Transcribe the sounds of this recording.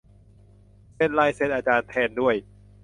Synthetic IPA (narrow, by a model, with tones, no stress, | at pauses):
se˧˩nlaː˧jse˧˥˩nʔaː˧t͡ɕaː˧nt̪ʰɛː˧ndu˥˩əj